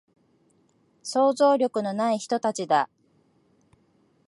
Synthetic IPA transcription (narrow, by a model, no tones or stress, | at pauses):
so̞ːzo̞ːɾʲo̞kɯ̟no̞naiçi̥t̪o̞t̪at͡ɕid̪a